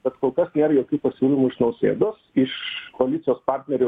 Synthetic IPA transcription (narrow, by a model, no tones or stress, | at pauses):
b̥ʲɛt̪koːlˠkɐsnʲeːɾɐjoːkʲuːpɐsʲuːlʲɪmuɪʃnɐʊsʲḛːd̪oːsɪʃkoɐlʲɪt̪ʲɪjoːspɑrʲt̪ʲnʲɛɾʲɛ